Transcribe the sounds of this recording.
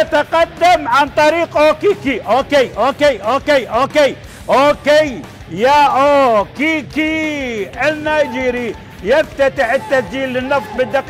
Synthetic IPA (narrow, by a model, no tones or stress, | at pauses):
at̪aqɑd̪ːamʕant̪ˤɑɾiːqʔoːkikiʔoːkejʔoːkeʔoːkejʔoːkej | ʔokej | jaːʔoːkiki | anːajd͡ʒiɾi | jaft̪at̪ɪħɪt̪ːad͡ʒiːlːɪnːɑft̪bɪd̪ɪq